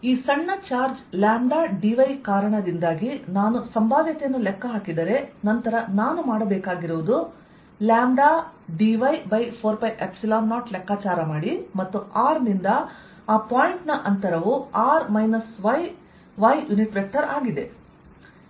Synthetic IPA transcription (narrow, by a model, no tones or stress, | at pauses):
iːsɐɳːɐt͡ʃaːɾd͡ʒljaːnd̪aːɖiʋɐjkaːɾɐɳɐd̪ind̪aːɡinaːnusɐmbaːd̪jɐt̪ɛjɐnːulɛkːɐɦaːkid̪ɐɾe̞nɐnt̪ɐɾɐnaːnumaːɽɐbɛːkaːɡiɾuʋud̪u | laːnd̪aːɖiʋɐjbɐjpʰoːɾpɐjʔepsilaːnːaːʈlɛkːaːt͡ʃaːɾɐmaːɽimɐt̪ːuʔaːɾnind̪ɐ | aːpaːjiɳʈnɐʔɐnt̪ɐɾɐʋuaːɾmɐjnɐsʋɐj | ʋɐjjuniʈɾek̚ʈɐɾaːɡid̪e̞